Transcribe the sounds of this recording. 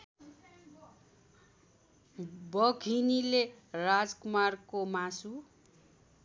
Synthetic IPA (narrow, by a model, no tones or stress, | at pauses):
bʌɡʱinilerad͡zkumarkomasu